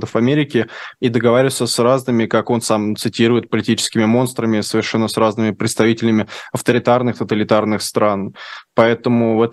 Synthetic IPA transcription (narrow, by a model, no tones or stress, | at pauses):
t̪əfɐmʲeɾʲɪkʲɪid̪əɡɐvaɾʲɪvsʲəsraznɨmʲɪkako̞nsamt̪sɨtʲiɾʊjɪt̪̚pəlʲɪtʲit͡ɕɪ̥skʲɪmʲɪmo̞nst̪ɾəmʲɪsəvʲɪrʂɛnːəsraznɨmʲɪpɾʲɪt̪st̪ɐvʲitʲɪlʲɪmʲɪɐft̪əɾʲɪt̪arnɨxt̪ət̪əlʲɪt̪arnɨxst̪ɾanpɐɛt̪əmʊvɛt̪